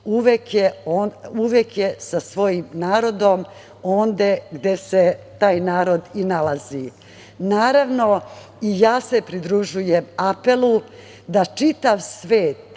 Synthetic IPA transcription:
uʋekjeonuʋekjesasʋo̞jimnaːɾo̞d̪o̞m | o̞ːnd̪e̞ɡd̪e̞se̞t̪aːjnaːɾo̞d̪inalazi | naːɾaʋno̞ | ijaːsepɾid̪ɾuʒujemape̞lˠu | d̪at͡ʃit̪aʋsʋeːt̪

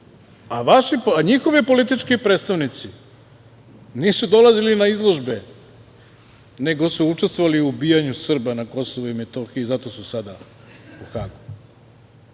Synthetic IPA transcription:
aʋaʃiaɲixoʋipo̞lit̪it͡ʃkipɾeːt̪st̪aʋnit̪si | niːsud̪o̞lazilinaizlˠo̞ʒbe̞ | ne̞ɡo̞suut͡ʃest̪voʋaliuːbijaɲusr̩banako̞soʋuimet̪oxizat̪o̞susad̪a | uxaːɡu

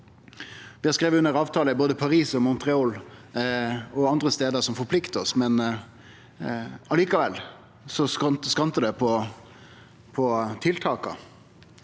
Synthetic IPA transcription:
ʋɪhɑɾskɾeːʋəʉnːəɾɑːʋt̪ʰɑːləɪboːd̪əpʰɑɾiːsɔmɔnt̪ɾɛoːl | ɔɑnd̪ɾəst̪eːd̪əsɔmfɔpʰlɪkt̪əɔsmɛn | ɑliːkɑʋɛlː | sɔsɑnt̪skɑnt̪əd̪ɛpʰɔ | pʰɔt̪ʰɪlt̪ʰɑːkɑ̰

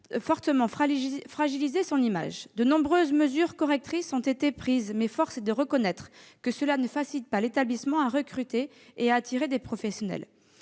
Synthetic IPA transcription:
fɔʁt̪əmɑ̃ffχaʒilizesɔ̃nima̰ʒd̪ənɔ̃bʁøzməzyʁkɔʁɛk̚t̪χisɔ̃t̪et̪epχizmɛfɔʁsd̪əʁəkɔnɛt̪χkəsəlanəfasilit̪̚palet̪ablismɑ̃aʁəkχyt̪e | eaːt̪ʰiʁed̪epχɔfɛsjɔnɛ̰l

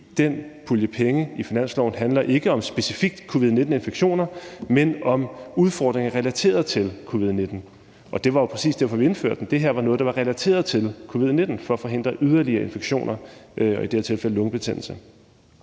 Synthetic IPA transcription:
d̥enpʰuljəpʰeŋəifinæn̰slɒʊn̩ɦænlɐʔe̝ɡ̥əɒ̽msb̥e̝sifiɡ̥̚d̥kʰo̝ːʋið̞ˠne̝d̥n̩e̝nfeɡ̥ɕo̝̰ːnɐmenɒ̽muðˠfɒ̰ːd̥ʁeŋɐʁɛlæt͡sʰe̝̰ːɐð̞ˠt͡sʰe̝lkʰo̝ʋið̞ˠne̝d̥n̩ | ʔɒ̽d̥e̝ʋɑ̈jo̝pʰʁɛsḭːsd̥æɐ̰fɒʋie̝nfø̰ɐ̰d̥n̩d̥e̝ɦeɐ̰ʋɑ̈nɔ̽ːð̩ˠd̥ɑʋɑ̈ʁɛlæt͡sʰe̝̰ːɐð̞̩ˠt͡sʰe̝lkʰo̝ːʋið̞̰ˠne̝d̥n̩fɒ̽ɒfɒ̽ɦe̝n̰d̥ʁɐʔyðˠɐliɐːe̝nfeɡ̥ɕo̝̰ːnɐʔɒ̽id̥e̝eɐ̰t͡sʰe̝lfel̰əlɔ̽ŋb̥e̝t͡sʰen̰l̩sə

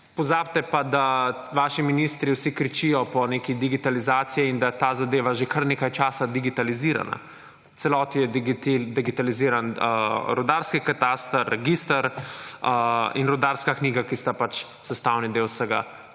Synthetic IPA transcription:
pɔzaːbt̪ɛpad̪a | ʋaːʃiminist̪ɾiwsikɾit͡ʃijɔpɔneːkid̪iɡit̪alizaːt̪sijɛind̪at̪aːzad̪eːʋaʒekəɾnekajt͡ʃaːsad̪iɡit̪aliziɾa̰na̰ | sɛlɔːt̪ijɛd̪iɡit̪aliziːɾanəɾɔd̪aɾskikat̪aːst̪ərɛɡist̪aɾ | ḭnɾɔd̪aɾskakniːɡakist̪apat͡ʃ | sɛst̪awnid̪ewsəɡa̰

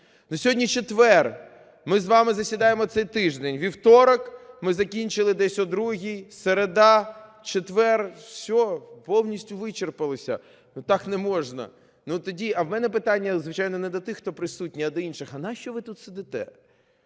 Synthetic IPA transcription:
nusʲɔɦɔdʲnʲit͡ʃet̪ʋɛr | mɪzʋɑmɪzɐsʲʋʲid̪ɑjemɔt̪sɛjt̪ɪʒd̪enʲʋʲiwt̪ɔɾɐkmɪzɐkʲinʲt͡ʃɪlˠɪd̪ɛsʲɔd̪ɾuɦʲijseɾed̪ɑ | t͡ʃet̪ʋɛrsʲɔpɔwnʲisʲtʲʊʋɪt͡ʃerpɐlˠɪsʲɐ̰ | nut̪ɑknɛmɔʐnɐ̰ | nut̪ɔdʲiɐwmɛnɛpɪt̪anʲːɐzʋɪt͡ʃajnɔnɛd̪ɐt̪ɪxt̪ɔpɾɪsut̚ʲnʲiɐd̪ɐinʃɪxɐnɑʃt͡ʃɔʋɪt̪ut̪sɪd̪ɪt̪ɛ̰

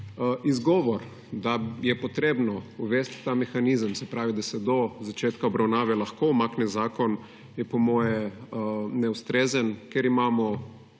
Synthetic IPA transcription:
izɡɔːʋɔɾ | d̪ajɛpɔt̪ɾeːbnɔuʋɛst̪ːamɛxaniːzəmsɛpɾaːʋid̪asɛd̪ɔzat͡ʃeːt̪kaɔbɾawnaːʋɛlaxkoumaːknɛzaːkɔn | jɛpɔmɔːjɛ | nɛust̪ɾeːzənkeɾimaːmɔ

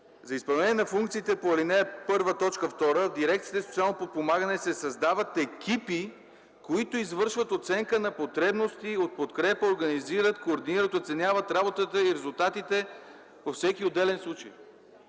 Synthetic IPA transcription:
zɐispɐlˠnɛniɛnɐfuŋkt̪siːt̪ɛpoɐlinɛɛpɤɾvət̪ɔt͡ʃkəft̪ɔɾəvd̪iɾɛk̚t̪iət̪ɛsot̪sʲialˠnopot̪̚pomaɡənɛsɛsɐzd̪avət̪ɛkipi | koit̪oizvɤɾʃvət̪ot̪sɛŋkənɐpot̪ɾɛbnost̪iot̪̚pot̪kɾɛpəoɾɡəniziɾət̪koːɾd̪iniɾət̪ot̪sɛnʲjavət̪ɾabot̪ət̪əiɾɛzulˠt̪at̪it̪ɛ | pofsɛkiod̪ɛlɛnslˠut͡ʃəj

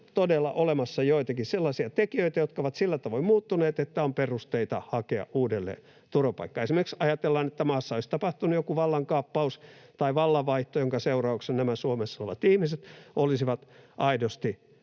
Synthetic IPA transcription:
t̪odelːɑ̰ʔolemɑsːɑjoit̪ɑkisselːɑsiɑt̪ekiøit̪æjot̪kɑoʋɑt̪silːæt̪ɑʋoimuːt̪ːuneːt̪et̪ːæomperust̪eit̪ɑhɑkeɑ̰ʔʔuːdelːḛː | t̪uropɑ̰ikːɑesimerksɑjɑt̪elːɑːnet̪ːæmɑːsːɑoist̪ɑpɑht̪unujokuʋɑlːɑŋkɑːpːɑust̪ɑiʋɑlːɑʋʋɑiht̪ojoŋkɑseurɑuksennæmæsuomesːoleʋɑ̰t̪ihmiset̪olisiʋɑt̪ʔɑidost̪i

